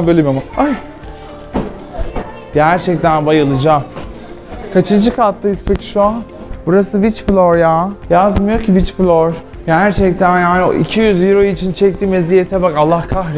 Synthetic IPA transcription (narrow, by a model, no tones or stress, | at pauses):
nbølʲɛmiamaaj | ɟæɾt͡ʃʰɛc̚t̪ʰænbajɯlˠɯd͡ʒa | kʰat͡ʃʰɯnd͡ʒɯkʰat̪lˠajispʰecʰi̥ʃuan | buɾasɯvit͡ʃflʲˠoɾjaːjazmɯjo̞ɾcʰivit͡ʃflʲˠoɾ | jaɦæɾt͡ʃʰɛc̚t̪ʰænjaːnḭʔḭcʰijyzjiɾo̞jit͡ʃʰint͡ʃʰɛc̚t̪iːmezijet̪ʰɛbakalˠːahkʰaxɾ